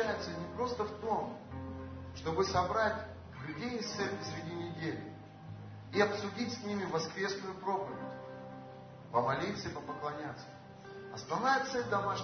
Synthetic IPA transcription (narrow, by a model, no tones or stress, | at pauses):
ajɪt̪sənʲɪpɾo̞st̪əft̪o̞m | ʂt̪o̞bɨsɐbɾatʲ | lʲʊdʲejɪsɛlʲsʲɾʲɪdʲinʲɪdʲelʲɪ̰ | iɐpsʊdʲitʲsʲnʲimʲɪvɐskɾʲe̞snʊjʊpɾo̞pəvʲɪ̰tʲ | pəmɐlʲit̪səipəpəklˠɐnʲat̪sːə̥ | ɐst̪ɐvnajət̪sɛlʲd̪ɐmaʂ